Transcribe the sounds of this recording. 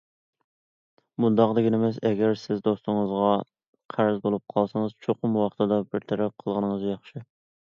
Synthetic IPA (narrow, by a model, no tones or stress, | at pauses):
bund̪ɑqd̪ɪɡʲinɪmɛsɛɡʲæɾsɪzd̪ost̪ʊŋəzʁɑ | qʰæɾzbolˠup̚qʰɑlˠsɑŋəzt͡ʃʰoqʊmwɑχt̪ʰɨd̪ɑbɪɾt̪ʰɛɾɛp̚qʰəlˠʁənəŋəzjɑχʃɪ